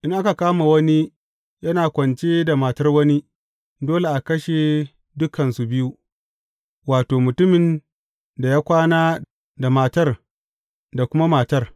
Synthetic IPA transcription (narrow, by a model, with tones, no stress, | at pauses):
ʔɪ˦ŋʔa˦ka˨kaː˦ma˨wɐ˦ni˦ | jɐ˦naː˨kʷɐ˨nt͡ʃe˦da˨maː˨tɐ˦rwɐ˦ni˦ | doː˦le˨ʔa˨kɐ˦ʃeː˨ | dʊ˦kʰɐ˨nsu˨bɪ˦ju˦ | waː˨toː˨mʊ˨tʊ˦mɪ˨n | da˨jaː˦kʷaː˦naː˦ | da˨maː˨tɐ˦r | da˨kʷʊ˦ma˦maː˨tɐ˦r